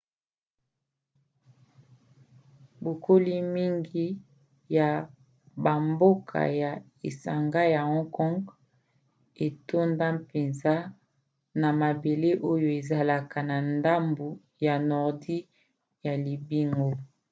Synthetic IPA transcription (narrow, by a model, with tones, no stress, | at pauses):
bo˨ko˦li˦mi˦ŋɡi˦ | ja˨ | ba˨mbo˦kʰa̰˨ja˨ | e˨sa˨ŋɡa˦ja˨hɔ̃˦ŋkɔ˦ŋɡ | e˨to˦nda˦pe˨nza˦ | na˨ma˨be˨le˦ʔo˦jo˦˨e˨za˦la˨ka˨na˨nda˦mbu˨ | ja˨nɔ˨ʁdi˦ | ja˨li˨bi˦ŋɡo˦